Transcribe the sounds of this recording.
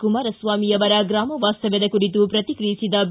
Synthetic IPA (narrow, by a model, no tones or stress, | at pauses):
kumaːɾɐsʋaːmijɐʋɐɾɐɡɾaːmɐʋaːst̪ɐʋed̪ɐkuɽit̪upɾɐt̪ikɾijisid̪ɐb